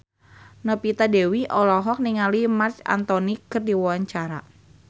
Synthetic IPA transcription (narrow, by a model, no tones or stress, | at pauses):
nəpit̪adewiʔɔlɔɦɔk̚niŋalimart͡ʃa̰nt̪ɔnikərdiwɔwaɲt͡ʃaɾa